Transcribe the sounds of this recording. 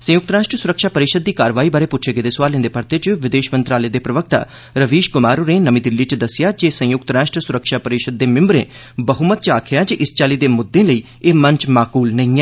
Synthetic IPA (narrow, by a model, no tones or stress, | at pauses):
sə̃jʊk̚t̪ɾaːʃʈɾəsʊɾəkʃaːpəɾɪʃəd̪̚ːiːkaːɾʋaːiːbaːɾeːpʊt͡ʃʰeɡeːd̪eːsʊʋaːlẽnd̪eːpəɾt̪eːt͡ʃʋɪd̪eːʃmə̃nt̪ɾaːleːd̪eːpɾəʋək̚t̪a̰ː | ɾəʋiːʃɡʊmaːɾoɾẽːnəmĩːd̪ɪlːiːt͡ʃd̪əsɪjaːd͡ʒeːsə̃jʊk̚t̪ɾaːʃʈɾəsʊɾəkʃaːpəɾɪʃəd̪̚ːeːmɪ̃mbɾḛ̃ː | bəɦumət̪̚t͡ʃaːkʰɪjaːd͡ʒeʔɪst͡ʃaːliːd̪eːmʊd̪ːẽːləiː | eːmə̃ɲt͡ʃmaːkuːlnəĩːɛ̃ː